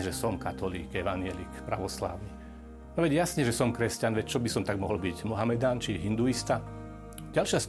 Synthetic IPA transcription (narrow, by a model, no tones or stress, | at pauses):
ɛʒɛsɔmkat̪ɔlḭːkɛʋaɲɪɛlḭːkpɾa̰ʋɔsla̰ːʊni | nɔʋɛɟjasɲɛʒɛsɔmkɾɛscanʋɛct͡ʃɔbisɔmt̪aɡmɔɦɔl̩biɟmɔɦamɛd̪aːnt͡ʃiɛɦind̪uist̪a | ɟalʃɪas